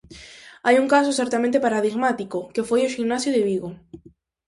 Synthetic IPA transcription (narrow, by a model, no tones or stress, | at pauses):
ajuŋkas̬oseɾt̪amẽnt̪epaɾaðiɣmat̪ikokefojoʃiɣnasjoðeβiɣo